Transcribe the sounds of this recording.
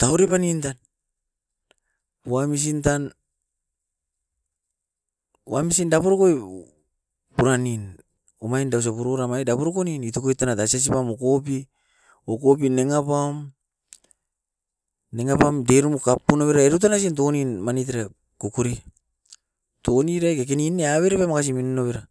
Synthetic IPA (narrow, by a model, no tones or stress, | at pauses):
tawɾipanintan | wamis̬intan | wamisindapoɾokoj | puɾanin | omajndaws̬apuɾoɾamajdapoɾokoninitokojtanatasas̬ipamokopi | okop̬ineŋapaom | eŋapamdeɾumukapːunoβeɾaeɾut̬anas̬int̬okoninmanit̬eɾa | kokuɾi | toniɾajkak̬enineaβeɾepajmakas̬iminunoβeɾa